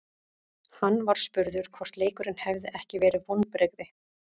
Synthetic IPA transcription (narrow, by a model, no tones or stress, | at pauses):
hanːvaɾ̥spʏɾðʏɾ̥kʰvɔr̥t̪leːkʏɾɪnhɛvðɪʔɛhcɪvɛːɾɪvonpɾɛɣðɪ